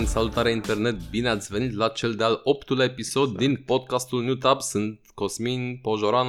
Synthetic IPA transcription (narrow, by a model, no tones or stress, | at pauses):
nsalut̪aɾɛint̪ɛɾnɛt̪̚binazvɛnʲid̪lat͡ʃʰɛld̪alɔpt̪ulɛpisɔd̪ːinpɔt̪kast̪ulnʲjut̪apsɨnt̪kɔsminʲpɔʒɔɾan